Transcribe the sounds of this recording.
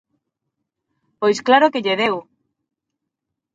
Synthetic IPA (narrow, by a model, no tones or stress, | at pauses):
pojsklaɾokeʎeðew